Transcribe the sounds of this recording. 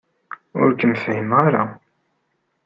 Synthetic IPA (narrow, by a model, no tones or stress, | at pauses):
ʊ̰ɾkəmfhimʁaɾa